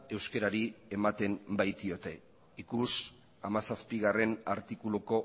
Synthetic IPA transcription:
e̞wskeɾaɾie̞mat̪e̞mbajt̪io̞t̪e̞ | ikus | amasaspiɣare̞naɾt̪ikuluko̞

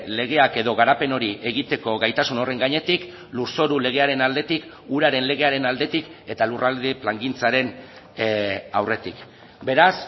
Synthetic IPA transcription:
le̞ɣe̞ake̞ðo̞ɣaɾape̞no̞ɾiʔe̞ɣ̞it̪e̞ko̞ɣajt̪asuno̞re̞ŋɡaɲe̞t̪ik | luɾso̞ɾule̞ɣ̞e̞aɾe̞nald̪e̞t̪ik | uɾaɾe̞nle̞ɣ̞e̞aɾe̞nald̪e̞t̪ike̞t̪alurald̪eplaŋɡint͡saɾe̞n | a̰wre̞t̪ik | be̞ɾas

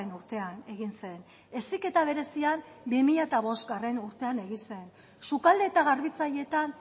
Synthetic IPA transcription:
enuɾt̪e̞ane̞ɣinse̞n | e̞sike̞t̪aβ̞e̞ɾe̞siambimiʎaet̪aβ̞o̞zɡare̞nuɾt̪e̞ane̞ɣinse̞n | sukald̪e̞ːt̪aɣ̞arβit͡saʎe̞t̪an

